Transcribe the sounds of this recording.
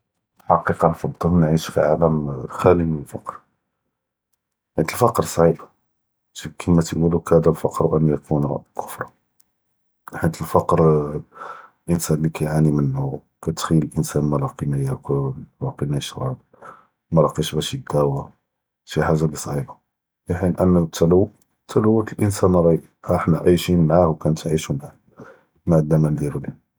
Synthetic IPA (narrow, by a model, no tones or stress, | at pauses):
ħɑqiqɑnfɑd̪ˤəlnʕiʃfḭʕalæmlxælimnəlfɑ̰qɾ | ħit̪əlfɑqɾsˤʕib | tikʰəmæt̪ɡulukhæd̪ælfɑqɾwʔənːujækʰunqʊfɾˤɑ | ħit̪əlfɑqɾ | lʔənsænlikæjʕanimənːu | kæt̪xiəlʔənsænmælɑqinæjækʊllɑqinæʃɾˤɑb̚ | mæɾˤɑqiʃbæʃid̪ːæwa | ʃiħaʒabisˤʕiba | fiħinʔənːət̪ʰːæləwː | t̪ʰːæləwːət̪əlʔənsænɾˤɑj | æħnæʕiʃinmʕahwkænət̪ʕiʃumʕ | maʕd̪ːæmænd̪æluli